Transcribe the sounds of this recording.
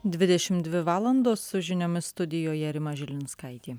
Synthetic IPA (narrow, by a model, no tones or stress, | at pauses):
d̪ʲʋʲɪd̪ʲɛʃʲɪmd̪ʲʋʲɪʋɑːlˠɐnd̪oːsʊʒʲɪnʲoːmʲɪst̪ʊd̪ʲɪjoːjɛɾʲɪmɐʒʲɪlʲɪnskɐɪt̪ʲiː